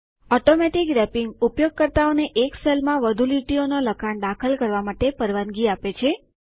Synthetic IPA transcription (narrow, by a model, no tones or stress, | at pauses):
ɔʈomɛʈikɾɛpiŋɡupjoɡ̚kəɾt̪aoneʔekselmãʋəd̪ʱuliʈionoləkʰaɳd̪akʰəlkəɾʋamaʈepəɾʋanɡiapet͡ʃʰe